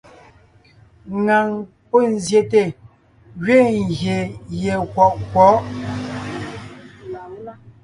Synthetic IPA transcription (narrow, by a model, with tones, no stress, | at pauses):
ŋa˨ŋ | po˦˨n̩˦˨zje˨te˨ | ɣɥe˦˨ŋ˨ɣje˨je˨kwɔ˨ʔkwɔ˨˦